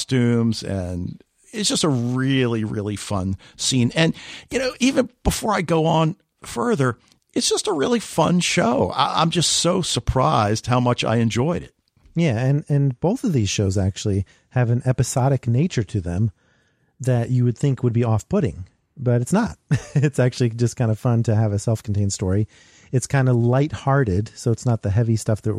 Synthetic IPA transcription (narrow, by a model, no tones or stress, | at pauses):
stʉ̃mzɨ̰̃n | ɪtsd̥ʒ̥ʌstəɹɪlˠiɹɪ̰lˠifʌ̰̃nsĩnɨ̃njɨnoʊʔivɨ̃nb̥əfɔɹaɪɡoʊə̃n | fɜ˞ðə˞ | ɨtsd̥ʒ̥ʌstəɹɪlˠifʌ̰̃nʃoʊa̰ɪʔã̰ɪ̃md͡ʒʌstsoʊsə˞pʰɹ̥aɪzd̥̚haʊmʌt͡ʃa̰ɪɨ̃nd͡ʒɔɪɾɪ̰t̚ | jæɨ̃nɨ̃nb̥oʊθʌvðiz̥ʃoʊzæk̚t͡ʃʉl̩ˠi | ɨvɨ̃nʔɛpɨsɑɾɨkneɪt͡ʃə˞ɾɨðɨ̃m | ðɨt͡ʃɨwɨd̪̚θɪ̃ŋkwəd̚biɔfpʰʊɾɪ̰̃ŋ | b̥ʌɾɨtsnət̚ɨtsæk̚t͡ʃʉl̩ˠid͡ʒʌskʰãɪ̃ndəfʌ̃ntʰɨɨvɨsɛlˠfkʰntẽɪ̃ndstɔɹi | ɨtskʰãɪ̃ndəlaɪt̚hɑɹɾɪd̥soʊətsnət̪̚ðɨɦɛvistʌfðɨt̚